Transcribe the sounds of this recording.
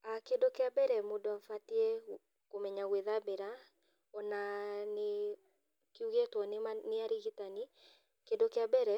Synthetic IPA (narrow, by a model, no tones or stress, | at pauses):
akendokeabɛɾɛmodɔaɱfatiɛ | komɛɲaɣweðabeɾa | ɔnane | kuɣetwɔnemaneaɾiɣitani | kendokeabɛɾɛ